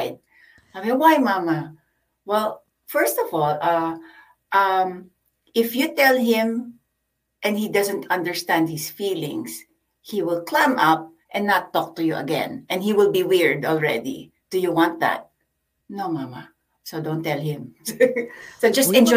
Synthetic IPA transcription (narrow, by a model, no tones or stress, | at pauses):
d̚ | amɛwajmamɐ | wɛl | fɛɹst̪ɔvɔlˠʌ | ʔʌm | ʔɪfjut̪ɛlˠɦɪ̃m | ʔɛ̃nd̪hid̪ʌzə̃nt̪ʰʌ̃nd̪əɹst̪æ̃nd̪̚hɪsfiːlɪ̰̃ŋs | hiwɪlklãmʌp̚ | ʔɛ̃nːat̪ːɔk̚t̪ʊjuʔɐ̰ɡɛ̰̃nʔɛ̃nhiwɪlˠbiwɪɹd̪ɔlˠɹɛ̰d̪ḭ | d̪̥ujuwãnt̪̚ða̰t̪̚ | nomama̰ | sod̪õʊnt̪ɛlˠhɪ̃m | sod͡ʒɐst̪ɛ̃nd͡ʒ